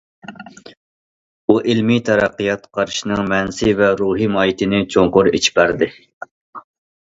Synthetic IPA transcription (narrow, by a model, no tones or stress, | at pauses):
uʔɪlmit̪ʰɛɾɑqːijɑt̪qʰɑɾʃinɨŋmɛnsɪvɛɾuːɦimɑːjit̪ʰɪnɪt͡ʃʰoŋqʊɾḛt͡ʃʰi̥pæɾd̪ɪ